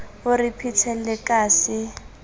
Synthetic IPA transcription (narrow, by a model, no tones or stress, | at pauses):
ʊripʰit͡sʰɛlɪkʼaːsɪ